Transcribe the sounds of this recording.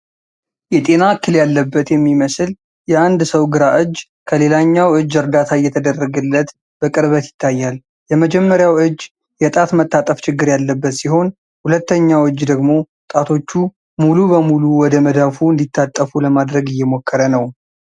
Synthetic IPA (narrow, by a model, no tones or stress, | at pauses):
jɛt̪ʼe̞nakːɨljalːəbːət̪jɛmːiməsɨl | jɛand̪səwɡɨɾaʔɨd͡ʒː | kʰəle̞laɲːawɨd͡ʒːɨɾd̪at̪ʰajɛt̪ʰəd̪ərːəɡɨlːət̪ | b̥əkʼɨɾβət̪jɪ̥t̪ʰːajːal | jɛməd͡ʒɛmːəɾjawɨd͡ʒː | jɛt̪ʼat̪mət̪ʰːat̪ʼəft͡ʃɪɡːɨɾjalːəbːət̪siɦo̞n | hulət̪ːəɲːawɨd͡ʒːd̪əɡmo̞ | t̪ʼat̪ʰo̞t͡ʃːu | mulubəmuluwɔd̪əməd̪afuɨnd̪it̪ːat̪ʼːəfuləmad̪ɾəɡɪjːɛmo̞kʰːəɾənəw